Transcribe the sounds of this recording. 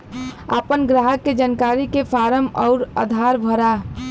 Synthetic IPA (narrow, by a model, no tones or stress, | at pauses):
əpənɡɾaɦəkːed͡ʒankaɾikefʰaːɾəmɔʊɾa̰d̪ʱaɾbʱəɾa